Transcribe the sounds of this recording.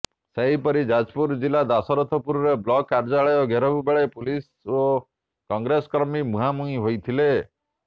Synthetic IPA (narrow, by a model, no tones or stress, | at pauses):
seɦipɔɾid͡ʒad͡ʒpuɾd͡ʒilad̪asɔɾɔt̪ʰɔpuɾɔɾeblɔkːaɾd͡ʒaɭɔjɔɡʱeɾɔbubeɭepulis | o | kɔŋɡɾesɔkɾɔmimuɦamuĩɦojt̪ʰile